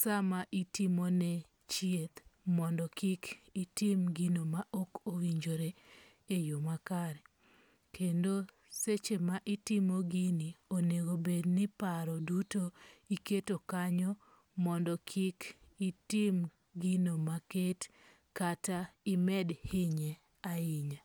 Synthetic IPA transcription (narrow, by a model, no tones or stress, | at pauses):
samaʔitimonɛ | t͡ʃiet̪mɔndɔkɪkitimɡinomaʔokowiɲd͡ʒoɾe | ejomakaɾɛ | kʰendo | set͡ʃemaʔɪtimoɡinioneɡobednɪpaɾɔdutoiketokaɲɔ | mɔndɔkʰikitim | ɡinomaket | kataɪmɛdhɪɲɛ | aɪɲa